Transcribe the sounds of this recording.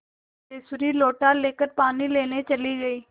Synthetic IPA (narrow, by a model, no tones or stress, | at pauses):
eːsʊɾiːloːʈaːleːkəɾpaːniːleːneːt͡ʃəliːɡəiː